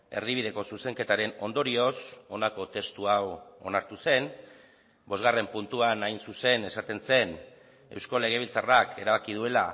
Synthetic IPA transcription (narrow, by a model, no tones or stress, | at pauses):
e̞̰ɾð̞iβ̞ið̞e̞ko̞suse̞ŋke̞t̪aɾe̞no̞nd̪o̞ɾio̞so̞nako̞t̪e̞st̪uawo̞̰naɾt̪use̞n | bo̞zɣare̞mpunt̪uanajnsuse̞ne̞sat̪e̞nse̞n | e̞̰wsko̞le̞ɣ̞e̞β̞ilt͡sarakʰe̞̰ɾaβakið̞ue̞la